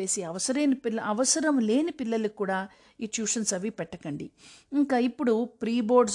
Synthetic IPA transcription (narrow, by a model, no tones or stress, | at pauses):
e̞ːsiɐʋɐsɐɾeːnipilɐʔɐʋɐsɐɾɐmle̞ːnipilːɐlukuːɽaː | iːt͡ʃuːʂɐnsɐʋipɛʈːɐkɐɳɖiŋkaːipːuɽupɾiːbo̞ːɾɖs